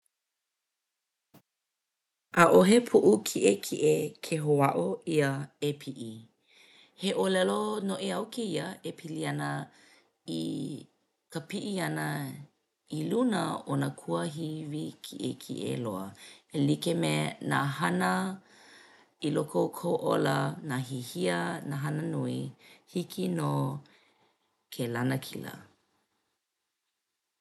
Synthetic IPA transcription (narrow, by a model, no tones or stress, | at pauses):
ʔaʔoɦepʰuʔukʰiʔekʰiʔekʰeɦoaʔoiəepʰiʔi | heʔolɛlonoʔeawkeiɐepʰiliɐnə | i | kəpiʔiɐnɐ | ilunəonakʰuəɦivikʰiʔḛkʰḭʔḛloəelikemenaɦanə | ilokʰowkʰowʔolənaɦihiənaɦanənuihikʰino | kʰelanəkʰḭlə̰